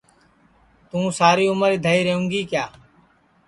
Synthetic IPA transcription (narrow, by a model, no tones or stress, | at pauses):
t̪ũːsaːɾiːʊməɾiːd̪ʱəiːɾeːũːŋɡiːkjaː